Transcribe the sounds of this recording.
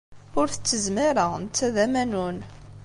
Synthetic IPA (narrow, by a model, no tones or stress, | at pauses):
ʊɾθə̥t͡sːəzmiɾənt͡sːæðæmænun